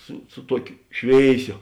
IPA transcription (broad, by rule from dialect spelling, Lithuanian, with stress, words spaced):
ˈsʊ sʊ ˈtuɔkʲoː ˈʃʲʋʲeːɪˌsʲoː